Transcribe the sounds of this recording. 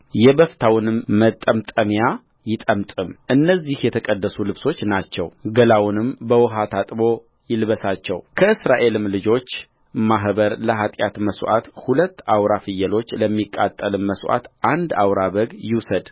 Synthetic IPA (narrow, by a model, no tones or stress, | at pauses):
jɛbəft̪ʰawnɨmːət̪ʼːəmt̪ʼəmja | jɪt̪ʼəmt̪ʼɨmʔɨnːəzihjɛt̪ʰəkʼəd̪ːəsulɨβso̞t͡ʃːnat͡ʃːɛwɡəlawnɨmbəwɔɦat̪ʰat̪ʼbo̞ | jɪlβəsat͡ʃːɛwkʰəɨsɾaʔe̞lɨmlɨd͡ʒo̞t͡ʃː | maɦbəɾləɦat̪ʼjat̪məsʔa̰t̪hulət̪ːawɾafɨjːəlo̞t͡ʃːləmːikʼːat̪ʼːəlɨmːəsʔa̰t̪ʔand̪awɾaβəɡjɪwsəd̪